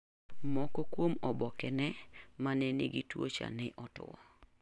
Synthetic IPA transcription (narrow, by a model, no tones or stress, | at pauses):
mɔkɔkwomɔbɔkɛnɛmanɛnḭɡitwo̰t͡ʃa̰nɪʔɔtʊ̰ɔ